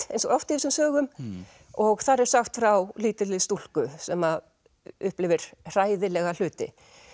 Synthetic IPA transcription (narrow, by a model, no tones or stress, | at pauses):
ejnsɔɣawft̪ɪɛsʏmsœːɣʏm | ɔɣθaɾɛɾ̥saxt̪fɾawliːt̪ɪlɪðst̪ul̥kʏsɛma | ʏhplɪvɪɾ̥r̥aːjðɪlɛɣal̥ʏːt̪ɪ̰